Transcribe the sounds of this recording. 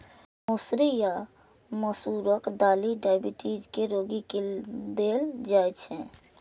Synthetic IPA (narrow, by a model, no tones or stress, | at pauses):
mosɾija | məsuɾəkd̪aːliɖaɪbiʈid͡ʒkeɾoɡiked̪eld͡ʒajt͡ʃʰɛ̃